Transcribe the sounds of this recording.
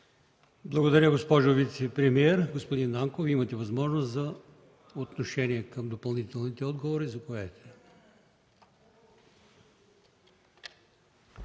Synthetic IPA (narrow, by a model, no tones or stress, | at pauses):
blˠɐɡod̪ɐɾʲəɡospɔʒʊvit̪sɛpɾɛmiɛɾɡospod̪inːaŋkoviimɐt̪ɛvɐzmɔʒnoszɐ | ot̪noʃɛniɛkɐmd̪opɐlˠnit̪ɛlˠnit̪ɛɔd̪ɡovoɾizɐkoɛt̪ɛ̥